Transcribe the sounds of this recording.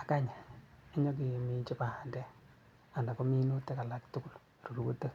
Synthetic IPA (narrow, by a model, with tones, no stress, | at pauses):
a˨ka˦ɲa˨i˦ɲɔ˦k̬i˨mi˨t͡ʃɪ˦pa˨ha˨ndɛ˦ | a˨nda˨kɔ˦mi˦nu˦tːe˦ka˨la˨ktu˦ku˦˨l | ru˨ɾu˨ku˦tːe˦